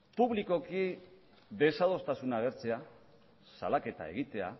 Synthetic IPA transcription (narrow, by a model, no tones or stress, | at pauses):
puβliko̞ki | ðe̞saðo̞st̪asunaɣ̞e̞ɾt͡se̞a | sa̰lake̞t̪a̰e̞̰ɣ̞it̪e̞a̰